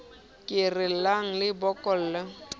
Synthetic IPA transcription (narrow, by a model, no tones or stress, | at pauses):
kʼɪrɪl̩laŋ̩lɪbɔkʼɔl̩la